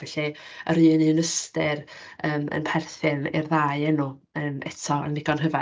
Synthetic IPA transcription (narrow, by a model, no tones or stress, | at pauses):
vɛɬiəɾɨːnɨnəstɛrəːmə̰npʰɛrθɪnḭrðaːɨɛnu | ənɛtʰɔə̰nːɪɡɔnɦəva